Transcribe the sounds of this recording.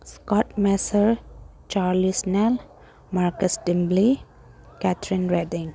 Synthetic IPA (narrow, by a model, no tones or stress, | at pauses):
skɔʈmɛsəɾ | t͡ʃaːɾlisnɛl | maɾkəsɖɪmbli | kɛt̪ʰɾɪnɾeɖɪ̃ŋ